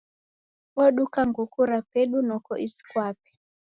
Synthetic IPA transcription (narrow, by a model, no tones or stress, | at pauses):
ɔɗukaŋɡukuɾapeɗunɔkɔʔisi̥kwapi̥